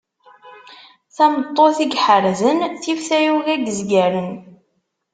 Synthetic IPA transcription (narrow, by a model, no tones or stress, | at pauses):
θæmət̪ˤːoθiɡħəɾzənθifθæjuvæɡəzɡæɾən